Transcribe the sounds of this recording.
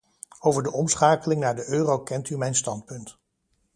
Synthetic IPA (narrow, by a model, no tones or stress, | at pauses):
owvəɹdəʔɔmsχaːkəlɪŋnaːɹdəʔøːrowkɛntymɛjnstɑntpɵnt